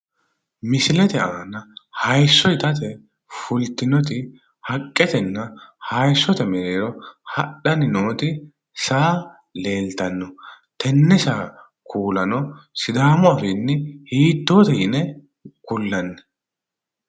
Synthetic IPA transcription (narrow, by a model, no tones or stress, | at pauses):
mɪsɪlɛt̪ɛʔaːnɐhɐjsːɔjt̪ɐt̪̬ɛ | fʊlt̪ɪnɔt̪ɪ | hɐkʼːɛt̪ɛnːɐhɐjsːɔt̪ɐmɛɾeːɾɔhɐɗɐnɪnoːt̪ɪ | saː | le̞ːlt̪ɐnːɔ | t̪ɛnːɛsaː | kʰuːlɐnɔsɪd̪aːmɔɐfɪnːɛhiːt̪ːoːt̪ɛɪnɛ | kʊlːɐnːɛ̥